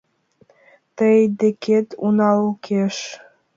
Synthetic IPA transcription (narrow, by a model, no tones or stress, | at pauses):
t̪əjd̪ĕkʰet̪unɑlkʰeʃ